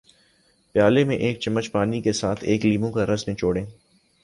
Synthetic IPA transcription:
pjaːlemẽʔeːk̚t͡ʃɐmːət͡ʃpaːnikesaːt̪ʰeːkliːmõkaɾɐsnẽt͡ʃoːɽẽː

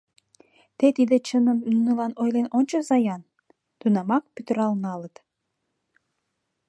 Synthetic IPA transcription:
t̪et̪id̪et͡ɕənəmynəlɑnojlenonʲt͡ɕozɑjɑn | t̪unɑmɑk̚pyt̪ə̆ɾɑlnɑlət̪

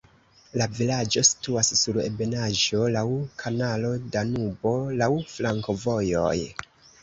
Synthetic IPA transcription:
lavilad͡ʒo̞si̥tuassuɾe̞̰be̞naʒo̞lawkʰanalo̞danubo̞lawflaŋko̞vo̞jo̞̰j

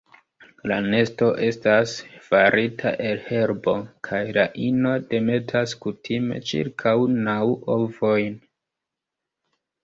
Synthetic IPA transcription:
la̰ne̞sto̞ʔe̞stasfaɾʔitʰa̰ʔe̞lhe̞ɾbo̞kʰajlaʔino̞de̞me̞tʰaskutʰime̞̰t͡ʃḭɾkʰawnawovo̞jn

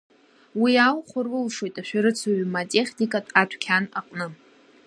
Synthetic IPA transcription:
wialχʷʊrɨlʂo̞jtʼaʃᶣaɾɨt͡sʰaɥmatʲʼe̞χʲnikʼatʼatʷʰkʲʰana̰qʼnɨ

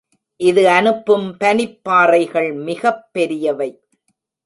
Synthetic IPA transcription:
ʔɪðɯɐnɯpːɯmpɐnɪpːaːrɐɪɣɐɭmɪɣɐpːɛɾɪjɐʋɐɪ

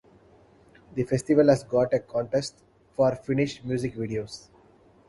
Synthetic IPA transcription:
d̪ifesʈiʋəlɦæzɡɔːʈekɔ̃ːɳʈesʈ | fɔːɾfɪnɪʃmjuːzɪkʋiːɖioːs

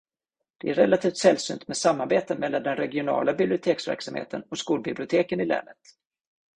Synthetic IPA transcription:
d̪̥ɛæɾɛlat̪ʰiːft̪sɛlsy̰ːnt̪mɛːdsamːaɾbeːt̪əmɛlːand̪ɛnɾɛɡɪʊnɑ̰ːlabɪblɪʊt̪ʰeːksvæ̰ɾksamhḛːt̪ənɔskuːlbɪblɪʊt̪ʰeːkənɪlɛ̰ːnət̪

